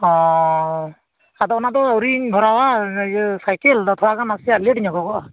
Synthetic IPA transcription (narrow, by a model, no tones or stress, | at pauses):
ɔ | ad̪ɔɔnat̪ɔɔɾiŋɡʱɔɾawa | sajkeld̪ɔt̪ʰɔwakʰanasialeʈiɲɔkɔɡɔ